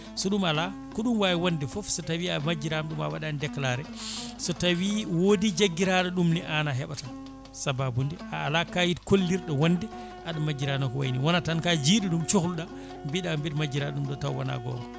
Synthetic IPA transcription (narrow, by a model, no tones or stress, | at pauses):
sɔɗumala | kɔɗumwajiwandifɔfsɔtawiamad͡ʒːiɾamɗuma̰waɗandɛkːlaɾɛ | sɔtawiwodid͡ʒaɡːiɾaɗɔɗumniʔanaɦɛɓata | sababundiʔaːlakajitkolːiɾɗɔwandi | ʔaɗamad͡ʒiɾanɔkɔwa̰jniwɔnatankad͡ʒiːɗiɗumt͡ʃoxulɗa | mbiɗambiɾmad͡ʒiɾaɗɗumɗɔtawːa̰na̰ɡɔ̰ːma